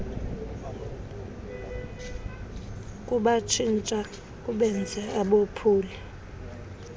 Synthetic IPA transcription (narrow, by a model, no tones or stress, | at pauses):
kʼuɓat͡ʃʰint͡ʃʼa | kʼuɓɛnd͡zʱɛaɓopʰuːli